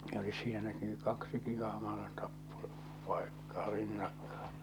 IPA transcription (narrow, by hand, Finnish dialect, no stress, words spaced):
olis sielæki ny kɑksiki ɑhmɑ̃ː tɑpːo pɑekːɑː rinːɑkːɑ̥ː